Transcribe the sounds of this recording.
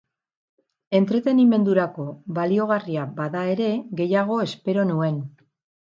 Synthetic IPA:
e̞nt̪ɾe̞t̪e̞nime̞nd̪uɾako̞βalio̞ɣ̞ariabaðae̞ɾe̞ɣe̞jaɣ̞o̞e̞spe̞ɾo̞nue̞n

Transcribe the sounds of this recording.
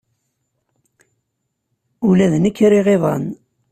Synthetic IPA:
ulæðənəkːɾiʁeðˤɑ̰n

